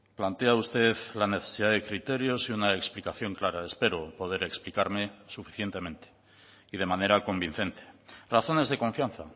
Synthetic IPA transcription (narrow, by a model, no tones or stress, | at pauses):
plant̪e̞aust̪e̞ðlane̞θesiðaðe̞kɾit̪e̞ɾjo̞siunaeksplikaθjo̞ŋklaɾaespe̞ɾopo̞ð̞e̞ɾe̞ksplikaɾme̞sufi̥θje̞nt̪e̞mẽ̞nt̪e̥ | iðe̞mane̞ɾako̞mbin̟θe̞nt̪e̥raθo̞ne̞zðe̞ko̞ɱfjan̟θa